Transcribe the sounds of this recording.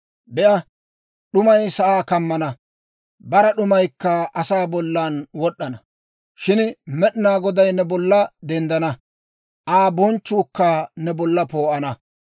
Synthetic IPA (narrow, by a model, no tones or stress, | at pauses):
bɛʔɐ | ɗʊmɐjsɐʔaːkɐmːɐnɐ | bɐɾɐɗʊmɐjkːɐʔɐsaːbɔlːanwɔɗːɐnɐ | ʃɪnmɛɗɪnaːɡɔd̪ɐjnɛbɔlːɐd̪ɛnd̪ɐnɐ | ʔaːbɔnt͡ʃːuːkːaːnɛbɔlːɐpoːʔɐnɐ